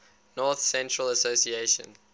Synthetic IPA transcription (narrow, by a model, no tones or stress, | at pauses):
nɔˑθsɛ̃ntɹələsosieʃə̰̃n